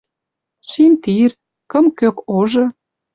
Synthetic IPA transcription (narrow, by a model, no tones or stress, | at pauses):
ʃint̪ir | kə̆mkøkoʒɤ̆